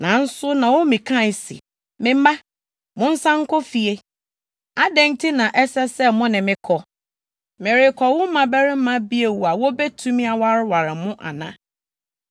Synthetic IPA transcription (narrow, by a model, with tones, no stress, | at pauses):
nã˨n̩˦sʊ˦nã˨wɔ˦mĩ˨kʰã˦˨sḭ˨ | mɪ̃˨mã˦ | mʊ̃˦n̩˦sã˦ŋ̩˦kʰɔ˦fi˨e˦ | a˨dɛ̃˦ntʰɪ˦nã˨ʔɛ˦sɛ˦sɛ˦mʊ̃˦nɪ̃˨mɪ̃˦kʰɔ˨ | mɪ̃˨ɾɪ˨kʰɔ˨wʊ̃˦mã˨bɛ˦ɾɪ̃˦m˦mã˦bi˦e˨wu˨a˨wo˦bɛ˦tʰũ˦mĩ˦a˨wa˦ɾɪ˦wa˨ɾɪ˨mʊ̃˦ʔa̰˨nã̰˨